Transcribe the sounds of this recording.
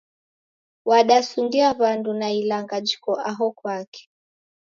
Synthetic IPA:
waɗasundiaβandunailaŋɡad͡ʒikɔʔaɦɔkwakɛ̥

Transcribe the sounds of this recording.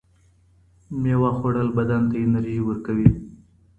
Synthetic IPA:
mewɑxoɽəlbad̪ant̪ajenaɾiʒiwəɾkawi

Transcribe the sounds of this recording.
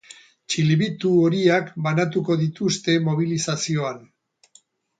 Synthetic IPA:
t͡ʃilβit̪uoɾiakbanat̪̬uko̞ðit̪ust̪e̞mo̞β̞ilisasio̞an

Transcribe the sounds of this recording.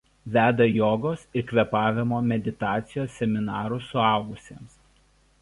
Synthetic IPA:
ʋʲæːd̪ɐjoːɡoːsɪɾkʋʲɛpɑːʋʲɪmoːmʲɛd̪ʲɪt̪ɑːt̪sʲɪjoːsːʲɛmʲɪnɑːɾʊsʊɑˑʊɡʊsʲeːms

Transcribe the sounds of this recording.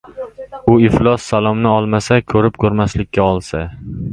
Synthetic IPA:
ʊɪflˠɒsːalˠɒmnɪɒlˠmasakʰɵɾɪp̚kʰɵɾmaslɪkʲːaɒlˠsa

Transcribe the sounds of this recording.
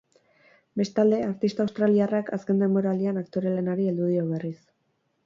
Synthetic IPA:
be̞st̪ald̪e̞aɾt̪ist̪awst̪ɾaliarakʰaske̞nd̪e̞mbo̞ɾaːld̪ianakt̪o̞ɾele̞naɾield̪uð̞ioβ̞e̞ris

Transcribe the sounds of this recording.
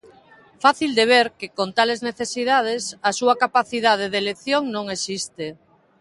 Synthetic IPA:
faθild̪eβ̞eɾkekont̪alezneθesiðað̞esɐsuɐkapaθiðað̞eðeleθjoŋnõŋesist̪e

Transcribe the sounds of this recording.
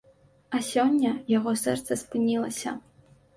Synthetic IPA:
ɐsʲɔnʲːɐjaɣɔsɛ̰rt̪sɐspɨnʲilˠɐsʲɐ̰

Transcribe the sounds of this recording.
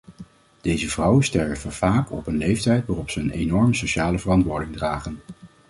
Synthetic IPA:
d̥ejzəvrʌwəstɛɹəvəv̥aːkɔ̰pənlejftɛjtʋaːrɔpsəənejnɔɹməsoʃaːləvərɑntʋʊːɹdɪŋdraːχən

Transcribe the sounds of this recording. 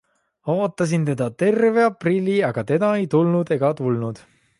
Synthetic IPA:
o̞ːt̪ˑːɑs̬int̪e̞d̪̥ɑt̪e̞rve̞ɑprilʲːiɑɡ̥ɑt̪e̞d̪ɑe̞jt̪ulnud̪e̞ɡ̥ɑt̪ulnud̪̥

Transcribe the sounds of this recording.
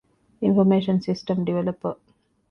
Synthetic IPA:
ɪ̃nfɔɾmeːʃə̃nsɪsʈə̃mɖiʋɛlɐpə

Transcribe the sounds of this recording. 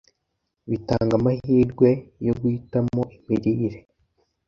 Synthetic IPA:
βitaːŋɡamahiːɾɡwe̞joɡwiːtamoʔimiɾiːɾe

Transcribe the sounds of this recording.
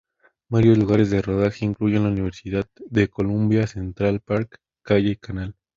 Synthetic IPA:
baɾjo̞zluɣaɾe̞zðe̞ro̞ð̞axe̞iŋkluʝenlauniβ̞e̞ɾsiðaððe̞ko̞lumbjase̞nt̪ɾalpaɾkː | aʝeikanal

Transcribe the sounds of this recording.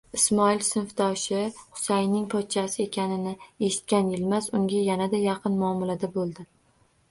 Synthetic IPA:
ɪsmɒɪlsɪnfd̪ɒʃɪχʊ̥sajnɪŋpʰɒt̪̚t͡ʃʰasɪe̞kʲanɪnɪe̞ʃɪ̥t̪̚kʲanjɪlmasʊŋɡʲajanad̪ajɑqʰɨnmʊɒmʊlad̪abolˠd̪ɪ

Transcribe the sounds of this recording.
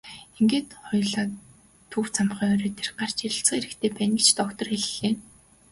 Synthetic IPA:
eŋɡeːt̪χɔjɮaː | t̪ʰuwt͡sʰam̆χiːŋɔːɾeːt̪ʰerɢar̥t͡ɕeɾʲɪ̆ɬt͡sə̆ŋeɾɘ̆kt̪ʰeːpæːnɡet͡ɕt̪ʰɔkt̪ɞ̆rxeɮxeː

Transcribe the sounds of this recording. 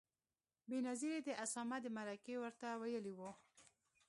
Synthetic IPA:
benaziɾed̪əʔasɑmad̪əmaɾakewəɾt̪awajəliwu

